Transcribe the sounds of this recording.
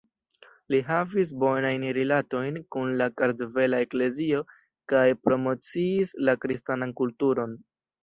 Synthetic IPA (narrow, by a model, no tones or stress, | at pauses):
liɦavis̬bo̞najnɾilato̞jnkunlakaɾdve̞lae̞kle̞zio̞ | kajpɾo̞mo̞t͡siːslakɾistanankultuɾo̞n